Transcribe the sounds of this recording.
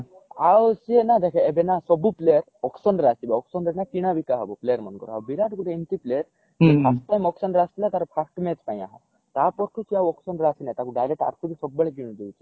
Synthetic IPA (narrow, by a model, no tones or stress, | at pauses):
awsienad̪ekʰɛːbenasɔbupleɾɔksɔnɖɾasibeɔksɔnɾenakiɽ̃abikaɦɔbuplejəɾmɔnkɔ̰ɾua̰wbiɾaʈkuʈeint̪iplejɾ | ipasʈajmɔksɔnɾast̪ʰilat̪aɾɔpʰasʈmet͡ʃpaj̃a̰ɦɔ̰ | t̪apɔɾʈʰut͡ʃʰiawɔksɔnɖɾasinãjt̪akuɖajleʈa̰ɾkʰubisɔbːeɭek̬iɽ̃ud̪iwt͡ʃʰi̥